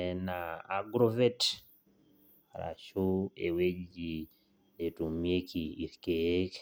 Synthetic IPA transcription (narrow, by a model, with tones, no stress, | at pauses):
ɛna˨a˦ɡɾo˦vɛ˦t | a˨ɾa̰˨ʃo˦ḛ˨we˦d͡ʒi˨ | e˨tu˨mje˦kʰii˨ɾke˦k